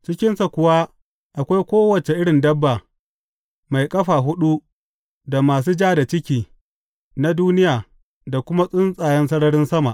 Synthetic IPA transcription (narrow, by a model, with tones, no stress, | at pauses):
t͡ʃɪ˦kʲɪ˦nsa˨kʷʊ˨wa˦ | ʔa˨kʷa˦jkʷoː˦wɐ˨t͡ʃe˨ʔɪ˦ɽɪ˨ndɐ˦bːaː˨ | ma˨jkʼɐ˦ɸaː˨ɦʊ˦ɗu˦ | da˨maː˨s̬uː˦d͡ʒaː˦da˨t͡ʃɪ˦kʲiː˨ | na˦duː˦nɪ˦jaː˨ | da˨kʷʊ˦ma˦sʼʊ˦nsʼaː˨jɛ˦nsɐ˦ɽɐ˦ɽɪ˦nsɐ˦ma˨ʔ